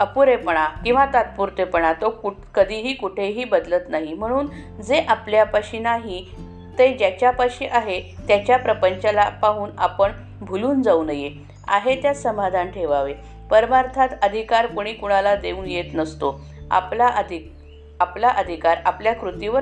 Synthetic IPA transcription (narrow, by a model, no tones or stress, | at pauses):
əpuɾepəɳ̃akĩw̃ʋat̪at̪̚puɾt̪epəɳ̃at̪oku | kəd̪ʱiːɦiːkuʈʰeɦiːbəd̪lət̪naɦim̤əɽ̃uːn | d͡zeʔapljapaɕinaɦi | t̪ed͡ʑjat͡ɕjapaɕiʔaɦet̪jat͡ɕjapɾəpəɲt͡ɕalapaɦuːnapəɳ | bʱuluːnd͡zaunəje | a̰ɦet̪jasəmad̪ʱanʈʰeʋaʋe | pəɾmaɾt̪ʰat̪əd̪ʱikaɾpuɽ̃iːkuɽ̃alad̪euːnjet̪nəst̪o | a̰plaʔəd̪ʱi | aplaʔəd̪ʱikaɾapljakɾut̪iʋəɾ